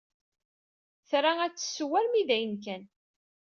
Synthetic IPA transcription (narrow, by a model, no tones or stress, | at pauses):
θɾaæt͡sːə̥sːwæɾmiðæjənk̬æn